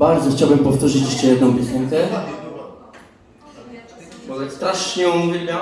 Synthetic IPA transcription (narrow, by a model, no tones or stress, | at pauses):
baɾd̪zɔxt͡ɕawbɘmpɔft̪uʐɘt͡ɕjɛʂt͡ʂɛjɛd̪nɔ̃w̃pʲisɛŋkɛ | bɔlɛst̪ɾaʂɲɛ̃ɡia